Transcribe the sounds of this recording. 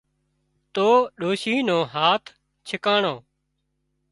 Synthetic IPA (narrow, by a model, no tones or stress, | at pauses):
t̪oːɗoːʃiːnõːɦaːt̪ʰ | t͡ʃʰɪkaːɳõː